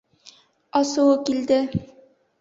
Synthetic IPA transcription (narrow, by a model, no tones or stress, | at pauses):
ɑsuwɤkild̪ɪ